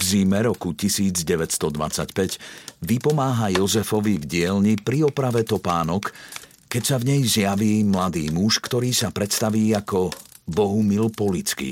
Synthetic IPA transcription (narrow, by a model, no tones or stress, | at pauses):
vziːmɛɾɔkucisiːd͡zɟɛʋɛcst̪ɔd̪ʋa̰t͡sa̰cpɛɟʋipɔmaːɦajɔzɛfɔʋivɟɪɛlɲipɾiɔpɾaʋɛt̪ɔpaːnɔk | kːɛcsavɲɛjzɪjaʋiːmlad̪iːmuʃkt̪ɔɾiːsapɾɛt̪st̪aʋiːakɔ | bɔɦumilpɔlit͡skḭ